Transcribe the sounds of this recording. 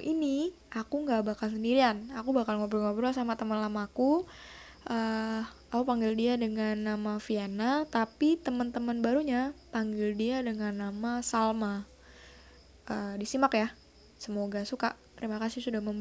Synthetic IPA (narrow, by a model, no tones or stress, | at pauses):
ini | akuŋɡaʔbakals̬əndiɾianakubakalŋabəɾŋabəɾasamat̪əmənlamaːku | ʔəapapaŋɡɪldiadəŋanːamafianat̪apit̪əmənt̪əmənbaɾuɲapaŋɡɪldiadəŋanːamasalma | ʔəːdisimakja | səmoɡasuka̰ʔt̪əɾimakasɪhsudahməm